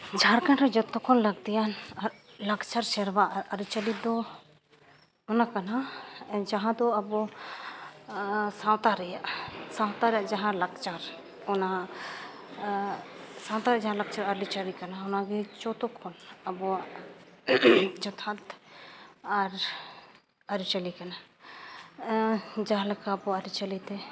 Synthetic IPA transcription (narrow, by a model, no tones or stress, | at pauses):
d͡ʒʱaɾkanɾɔd͡ʒɔt̪ːɔkʰɔnlaɡd̪ijanaɾ | lakt͡ʃaɾsɛɾbaʔaɾaɾit͡ʃalid̪ɔ | ɔnakanad͡ʒaɦãd̪ɔabɔ | sãwt̪aɾɛjaʔsãwt̪aɾɛjaʔd͡ʒaɦãlakt͡ʃaɾ | ɔna | sãw̃t̪aɾɛaʔd͡ʒaɦãlak̚t͡ʃaɾaɾlit͡ʃaɾikanaɦɔnaɡɛt͡ʃɔt̪ɔkʰɔnabɔ | d͡ʒɔt̪ʰat̪ | aɾ | aɾit͡ʃalikana | d͡ʒaɦãlɛkʰaːbɔaɾit͡ʃalit̪ɛ